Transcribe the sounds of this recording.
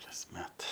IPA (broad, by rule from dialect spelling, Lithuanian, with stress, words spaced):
kɐsʲˈmʲɛt